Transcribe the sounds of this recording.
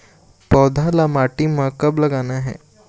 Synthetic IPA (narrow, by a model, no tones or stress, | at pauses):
pɔd̪ʱalamaʈimãkɐblɐɡanaɦɛ̰ː